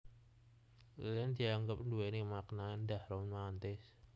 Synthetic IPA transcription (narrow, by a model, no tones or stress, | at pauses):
llɪnd̪̥i̤aŋɡəp̚nduwenimaknand̪ahɾonmant̪ɪs